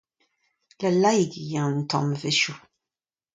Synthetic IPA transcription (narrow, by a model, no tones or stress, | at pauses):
lɛlajiɡijãŋn̩tɔ̰mveʃu